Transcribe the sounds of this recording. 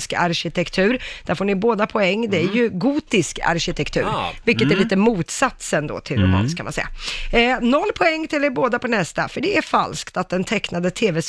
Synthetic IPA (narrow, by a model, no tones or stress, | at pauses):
ska̰ɾɕɪt̪ʰɛkt̪ʰʉ̟ːɾd̪̥æɾfoːɳɪboːd̪apʰɔɛŋːd̪ɛæɾjɵɡuːt̪ɪska̰ɾɕɪt̪ʰɛkt̪ʰʉ̟ːɾɾvɪlkːət̪æɾɭiːt̪əmuːt̪sat̪sɛnd̪o̰ːt̪ʰɪlɾʊmɑ̰ːnskʰanmansɛ̰jːa̰ | nɔlːpʰɔɛŋːt̪ɪld̪ɛɾboːd̪apʰɔnɛst̪a̰fœɖɛæɾfa̰lskt̪at̪̚d̪ɛnt̪ʰɛknad̪ət̪ʰeːvɛs